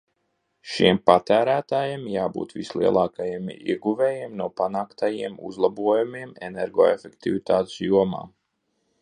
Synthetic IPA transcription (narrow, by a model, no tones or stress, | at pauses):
ʃimpat̪æːɾæːt̪aːjemjaːbṵːt̪vislˠiɛlˠɑːkajemḭɛɡuvɛːjeːmnuɔpanaːkt̪ajiɛmṵzlˠabuɔjumiɛmḛnɛɾɡo̰ːefʲɛkt̪ivit̪aːt̪sjuɔma̰ː